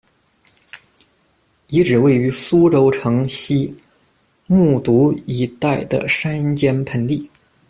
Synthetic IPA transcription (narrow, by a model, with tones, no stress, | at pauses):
i˧˥ʈ͡ʂɻ̩˨˩we˥˩ɪy˧˥su˥ʈ͡ʂo˧˥ʊʈ͡ʂʰɤ˧˥ŋɕi˥ | mu˥˩t̪u˧˥i˧˩t̪a˥˩ɪd̪ə̰˩ʂa˥nnt͡ɕjɛ˥npʰə˧˥nt̪i˥˩